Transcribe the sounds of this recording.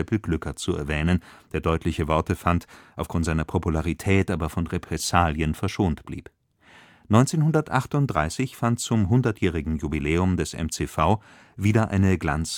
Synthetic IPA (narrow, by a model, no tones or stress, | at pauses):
ɛpl̩ɡ̥lʏkɐt͡suɛ̰ɐvɛːnənd̥eːɐdɔʏtʰlɪçəvɔɐtəfantʔaʊfɡ̥ʁʊntz̥aɪnɐpʰopulaʁitʰɛːtʔaːbɐfɔnʁepʁ̥ɛsaːljənfɛɐʃoːntb̥lḭːp | nɔʏnt͡seːnhʊndɐtʔaχtʊnt̚d̥ʁa̰ɪsɪçfantt͡sʊmɦʊndɐtʰjɛːʁɪɡŋ̩jubilɛːʊmdɛsʔɛ̰mt͡seːfaʊ | viːdɐʔa̰ɪnəɡla̰nt͡s